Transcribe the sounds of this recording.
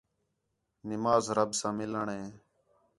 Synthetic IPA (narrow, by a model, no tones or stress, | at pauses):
nɪmaːzɾəbsãːmɪləɳɦẽː